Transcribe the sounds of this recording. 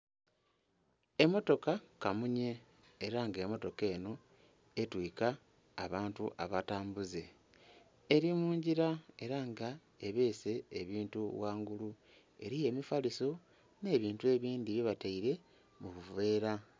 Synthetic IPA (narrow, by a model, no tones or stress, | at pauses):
e̞mo̞to̞kakamuɲe̞ː | ɾaŋɡe̞mo̞to̞ke̞ːno̞ | etwiːka̰ː | βaːntuʔaβataːmbuze̞ | eɾimuːɲɟiɾae̞ɾaŋɡa | eβe̞ːse̞ːβiːntuwaːŋɡulu | e̞̰ɾije̞mifaliso̞ | ne̞ːβiːntue̞ːβiːndiβeβataiɾe̞ | muβuve̞ːɾa